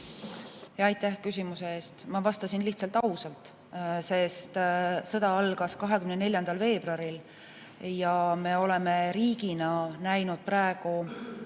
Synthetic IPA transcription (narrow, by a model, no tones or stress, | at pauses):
jɑɑjt̪ˑːæhkysʲimuseeːst̪mɑvɑst̪ɑsinliht̪sɑlt̪ːˑɑusɑlt̪ˑ | se̞st̪sɤ̞d̪̥ɑɑlɡ̥ɑskɑɦe̞kymnene̞ljɑnd̪̥ɑlve̞ːb̥rɑɾil | jɑme̞o̞le̞me̞ɾiːɡinɑnæjnud̪̥̚pɾɑeɡ̥u